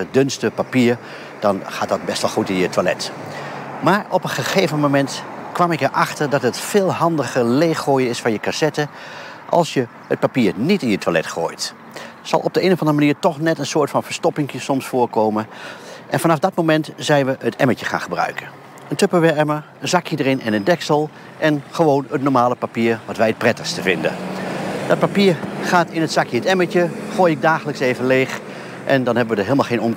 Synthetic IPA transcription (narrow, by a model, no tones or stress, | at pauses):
ədɵnstəpapiːɹ | d̥ɑnχaːt̚dɑt̚bɛstʋɛlˠχutɪnjətʋalɛ̰t | maːɹɔpənχəχejvənmomɛntkʋɑmɪkəɹʔɑχtəɹdɑtətfɪːlˠɦɑndəχəleːχːoːjəɪsfɑnjəkasɛtə | ʔɑ̰lˠsjə | hət̚papiːɹnitɪnjətʋalɛ̰tχo̰ːjt | sɑ̰lˠʔɔb̚dəenəvɑndərəmaniːɹtɔχnɛtənsʊːɹtfɑnvəɹstɔpɪŋkjəsɔmsfʊːɹkoːwmənʔɛnfɑnɑfdɑtmomɛntzɛjnʋəətɛməcəχa̰ːnχəbrœ̰ɥkən | əntøpəʋɛmə | ənzɑkjədəɾɪnʔɛnəndɛksəlˠ | ʔɛnχəʋoːnətnɔɹmaːləpapiːɹʋɑtʋɛjət̚prɛtəχstəvɪndə̰dɑt̚papiːɹχaːtɪnətsɑkjəətɛməcəχoːjɪɡ̚daːχələkseːvənleːx | ʔɛndɑnɦɛbəʋədəɦeːlˠmalˠχenɔm